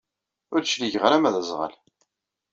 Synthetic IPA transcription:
ʊɾʃliʝəʁɾæmæðæzˤʁə̰l

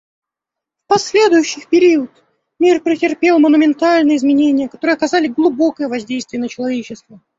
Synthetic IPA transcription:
fpɐsʲlʲe̞d̪ʊjʊɕːɪpʲɪɾʲiʊt̪ | mʲirpɾʲɪtʲɪrpʲe̞lˠmənʊmʲɪnt̪alʲnɨjəɪzmʲɪnʲenʲɪjəkɐt̪o̞ɾɨəɐkɐzalʲɪɡlˠʊbo̞kəjəvɐzʲdʲejst̪vɪjənət͡ɕɪlˠɐvʲet͡ɕɪst̪və

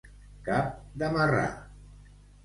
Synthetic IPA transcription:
kap̚d̪əmara̰

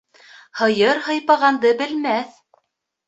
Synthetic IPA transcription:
hɤ̆jɤɾhɤ̆jpɑʁɑnd̪ɤbɘ̆lmæθ

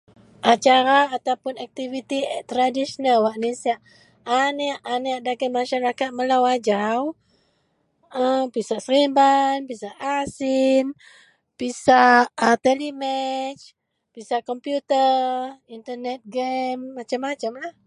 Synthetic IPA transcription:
ʔat͡ʃaɾaːt̪awpʊnak̚t̪ivit̪it̪ɾadisɔnalwaʔnisiaʔː | nɛʔanɛaʔdaɡɛmaʃaɾakat̪̚məlawad͡ʒaw | əpisaʔsəɾimbanpisaʔasin | pisaʔət̪ɛlimɛt͡ʃ | pisaʔkɔmpjut̪əint̪ənɛt̪̚ɡɛmːat͡ʃamːat͡ʃamlah

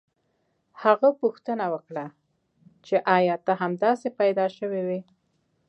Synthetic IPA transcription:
haɣapuxt̪ənawəkɽa | t͡ʃeʔɑjɑt̪aɦamd̪ɑsepajd̪ɑʃəwiwi

